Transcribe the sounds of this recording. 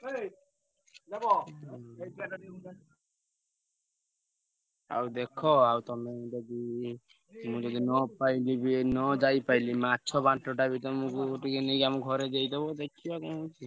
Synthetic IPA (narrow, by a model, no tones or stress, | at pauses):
dbɔ | a̰wd̪ekʰɔawt̪ɔmed͡ʒɔd̪i | mũd͡ʒɔd̪inɔpailibinɔd͡ʒajpajlimaːt͡ʃʰɔbaɳʈɔʈabit̪ɔmũkuʈikenejkiamuɡʱɔɾed͡ʒejt̪ɔbɔd̪ekʰiakɔɔt͡ʃʰi